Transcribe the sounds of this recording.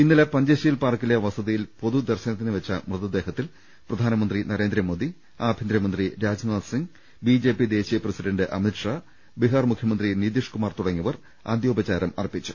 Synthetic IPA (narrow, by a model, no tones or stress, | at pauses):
inːilepɐɲd͡ʑɐɕɐjilpaːrkːilɐjɐʋɐsɐðijilpo̞ðud̪ɐrɕɐnɐt̪ːinɨʋɐt͡ɕːɐmrɨðɐd̪e̞ːɦɐt̪ːil | prɐd̪ʱaːnɐmɐnd̪rinɐɾe̞ːnd̪ɾɐmo̞ːd̪i | aːbʱind̪ɾɐmɐnd̪riɾaːd͡ʑnaːsiŋɡ | bid͡ʑe̞ːpid̪e̞ːɕijɐprɐsiɖɐɳɖɨʔɐ̰miʈʂaː | biɦaːrmukʰjɐmɐnd̪rinid̪iʂkumaːrt̪uɽɐŋːiʋɐr | a̰ːd̪jo̞ːbɐt͡ɕaːɾɐmɐ̰ripit͡ɕːu̥